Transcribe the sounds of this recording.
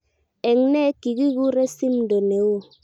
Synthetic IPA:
e˨ŋne˦ki˨ɡi˦ɣu˦ɾe˦si˦m˦do˨ne˨˦wo˦˨

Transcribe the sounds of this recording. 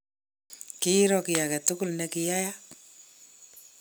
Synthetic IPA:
kɪ˦i˦ɾɔ˨kɪ˨ja˨kɛ˨tʊ˦kʊ˦lnɛ˨kɪ˨ja˦ja˦

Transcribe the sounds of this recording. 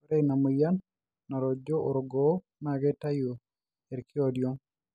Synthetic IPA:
ɾɛ˦˨na˨mo˨ja˦n | na˨ɾɔ˨d͡ʒo˦ʔo˨ɾo˨ɡɔ˦ | na˨ɡɛ˦ta˦jo˨ | ɛ˨ɾkɪ˦ɔdjɔ˦

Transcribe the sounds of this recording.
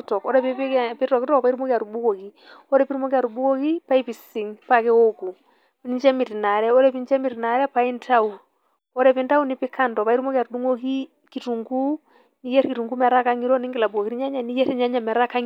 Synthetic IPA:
tɔ˨kɔ˦ɾɛpi˦pi˦pi˦tɔ˨ki˦tɔ˦pa˨i˦ɾu˦mo˦kia˨ɾu˨bu˦ko˨ki˨ | ɔ˦ɾɛ˦pi˦ɾu˦mo˦ki˦a˨ɾubu˦ko˦ki˦pa˦i˦pi˨si˨ŋpa˨kɛ˦o˦ku˨ | ni˦ɲt͡ʃɛ˦mi˨ɾi˨na˨ɾɛ˦ɔ˦ɾɛ˦pi˦nt͡ʃɛ˦mi˨ɾi˨na˨ɾɛ˦pai˦ntʰa˦u˨ | ɔ˦ɾɛ˦pi˦nta˦u˦ni˨pi˦ka˦ndɔ˨pa˨i˦ɾu˦mo˦ki˦a˨ɾudu˦ŋo˦ki˦ | ki˨tu˨ŋɡu˦ | ni˦jɛ˦ɾki˨tu˨ŋɡu˦mɛ˨a˨ɾa˦ka˦ŋi˦ɾɔ˦ni˦ŋɡɪ˨la˨buko˨ki˨ɾi˦ɲa˦ɲa˨ni˦jɛ˦tɛ˦ɲa˦ɲa˨m˨a˨ɾa˦ka˦ŋ

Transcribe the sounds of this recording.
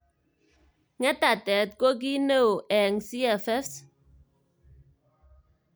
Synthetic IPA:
ŋɛ˦ta˨tɛ˨t̚ko˦k̬i˦ne˦wo˨ʔɛ˨ŋsi˦ɛ˨fɛ˦s

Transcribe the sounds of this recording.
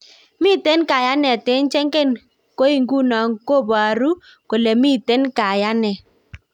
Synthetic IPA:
mi˦˨te˦nka˨ja˦nɛ˨te˨˦nt͡ʃɛ˦ŋɡɛ˦˨n | ko˦i˨ŋɡu˦na˨ŋko˦˨ba˨ɾu˦ | ko˨lɛ˨mi˦te˦nka˨ja˦nɛ˨

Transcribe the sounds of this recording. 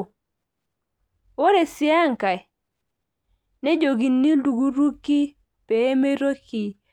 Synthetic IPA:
wo˦ɾe˨si˦a˦ŋka˨j | ne˦d͡ʒo˨ɡi˨nːi˦du˨ɡu˦ɾu˦kːi˦ | pe˨˦me˦ɾo˦ki˨

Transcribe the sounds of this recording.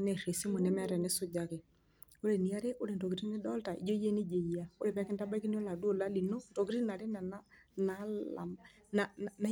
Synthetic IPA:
nɛ˨ɾe˨si˦mʊ˨nɛ˦mɛ˦ɾɛ˨nɪ˦sʊ˦d͡ʒa˨kɪ˨ | o˦ɾe˨ni˨a˦ɾe˦ʔo˦ɾe˨ndɔ˨ki˨ɾi˦nɪ˦dɔ˦lta˨ʔḭ˨d͡ʒo˦je˦nɪ˦d͡ʒe˨ja˦o˦ɾe˨pɛ˦kɪ˦n˦ta˦ba˦ki˦n˦o˦la˨du˦o˦˨la˦li˨no˦ntɔ˨ɡi˦ɾi˦na˨ɾe˦nɛ˨na˦ | na˦la̰˨ | na˨na˦

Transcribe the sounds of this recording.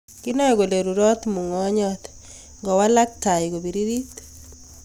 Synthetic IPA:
ki˦nɔ˦ɛ˨ɡo˨le˨ɾu˨ɾɔ˦t̪mu˨ŋɔ˦ɲɔ˦t̪ | ŋɡɔ˨wa˦la˦k̚ta˨jɡo˨bi˨ɾi˦ɾi˦t̪

